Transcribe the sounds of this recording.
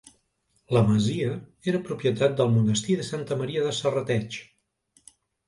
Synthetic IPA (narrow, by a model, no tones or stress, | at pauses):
ləməziəeɾəpɾupjət̪at̪̚d̪əlˠmunəst̪iðəsant̪əməɾiəðəsərət̪ɛt͡ʃ